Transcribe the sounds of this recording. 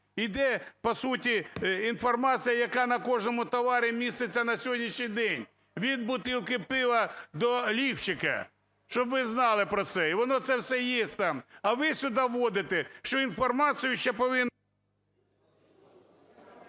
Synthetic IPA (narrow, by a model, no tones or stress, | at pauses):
id̪ɛpɔsutʲiinfɔrmɑt͡sʲijɐjɐkɑnɐkɔʒnɔmʊt̪ɔʋɑɾʲimʲist̪et͡sʲːɐnɐsʲɦɔdʲnʲiʃnʲijd̪ɛnʲ | ʋʲid̪̚bʊt̪ɪlˠkɪpɪʋɐd̪ɔlʲiwt͡ʃɪkɐ̰ | ʃt͡ʃɔbʋɪznɑlˠɪpɾɔt̪sɛiʋɔnɔt̪sɛwsɛjesʲtʲt̪ɑmɐʋɪsʲʊd̪ɑʋːɔd̪ɪt̪eʃt͡ʃɔinfɔrmɑt͡sʲɨjʊʃt͡ʃɛpɔʋɪn